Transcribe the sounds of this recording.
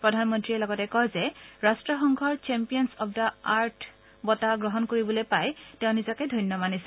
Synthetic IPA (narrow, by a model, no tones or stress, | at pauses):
pɹɔdʱanmɔntɹiɛlɔɡɔtɛkɔjzɛɹastɹɔxɔŋɡʱɔɹt͡ʃɛmpijɔnsɔp̚daaɹtʰ | bɔtaɡɹɔɦɔnkoɹibɔlojpajtɛʊ̃nizɔkɛdʱɔjnːɔmanisɛ̥